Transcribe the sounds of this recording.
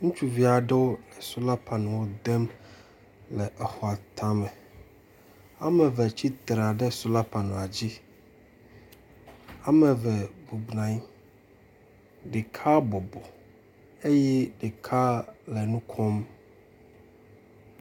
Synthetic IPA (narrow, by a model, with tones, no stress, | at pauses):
ŋũ˦t͡ʃu˦vi˦a˨ɖɛ˦wo˦ɛ˨su˦la˦pa˨nũ˨wo˦d̪ɛ˦m | lɛ˨ʔɛ˨xɔ˨a˨t̪ʰa˦mɛ˨ | a˦mɛ˨vɛ˨t͡ɕi˦t̪ɾa˨ɖɛ˦˨su˦la˦pa˨nũ˨a˨d͡ʑi˦ | a˨mɛ̃˨vɛ˨bu˨bnã˨i˦ | ɖe˨kʰa˦bɔ˨bɔ˨ | e˦jɛ˦ɖe˨kʰa˦lɛ˨nũ˦kʰɔ˦m